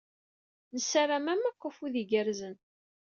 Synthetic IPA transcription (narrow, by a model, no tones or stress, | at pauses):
nəsaramæmæqːəfuðiɡəɾzən